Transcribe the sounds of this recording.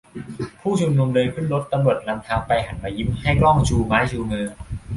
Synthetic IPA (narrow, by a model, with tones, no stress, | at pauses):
pʰuː˥˩t͡ɕʰu˧mnu˧mlɤː˧jkʰɯ˥˩nɾo˦˥t̪ːa˧mɾu˨˩ət̪̚na˧mt̪ʰaː˧wpa˧jɦa˩˦nmaː˧ji˦˥mha˥˩jklɔ˥˩ŋt͡ɕʰuː˧maː˦˥jt͡ɕʰuː˧mɯː˧